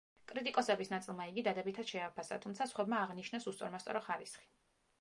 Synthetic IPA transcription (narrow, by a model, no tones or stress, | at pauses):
kʼɾit̪ʼikʼɔsɛbisnat̪sʼilˠmaiɡid̪ad̪ɛbit̪ʰad̪ʃɛapʰasa̰t̪ʰumt̪sʰasχwɛbmaːʁniʃnɛsust̪sʼɔɾmast̪sʼɔ̰ɾɔχaɾisχi̥